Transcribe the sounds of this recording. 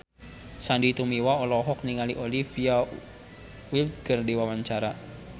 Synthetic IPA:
sandit̪umiwaɔlɔɦɔk̚niŋaliʔɔlifia | wilt̪̚ɡərdiwawaɲt͡ʃaɾa

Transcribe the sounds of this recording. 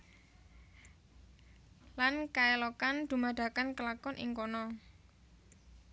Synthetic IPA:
lankaelɔkand̪̥ṳmad̪̥a̤kankəlakɔnʔɪ̰ŋkɔnɔ

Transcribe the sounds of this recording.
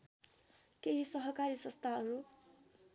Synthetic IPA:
keɦisʌɦʌkaɾisʌ̃nst̪ʰaʌɾu

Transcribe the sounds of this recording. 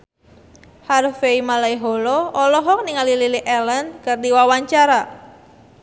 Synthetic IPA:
harfeimalaiɦɔlɔʔɔlɔɦɔk̚niŋalililiʔɛlənkard̪iwawaɲt͡ʃaɾa

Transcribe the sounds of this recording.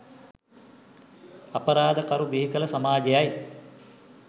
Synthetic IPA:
ɐpəɾaːd̪əkaɾuʋiɦikələsamaːɡejaj

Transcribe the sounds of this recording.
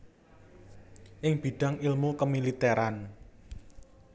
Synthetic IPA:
ʔɪŋb̥i̤ɖ̥ä̤ŋilmukəmilit̪ɛɾan

